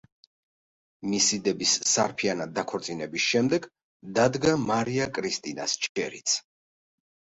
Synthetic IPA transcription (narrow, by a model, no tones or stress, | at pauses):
misid̪ɛbisːaɾpʰianad̪akʰɔɾt̪sʼinɛbisʃɛmd̪ɛɡ | d̪ad̪ɡamaɾiakʼɾist̪ʼina̰st͡ʃʼʰɛɾḭt̪sʰ